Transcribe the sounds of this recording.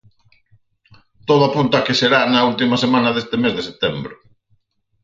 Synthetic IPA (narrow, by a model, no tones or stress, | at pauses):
t̪oðʊapunt̪akeseɾanɐult̪imasemãnɐðest̪ɪmezðeset̪embɾʊ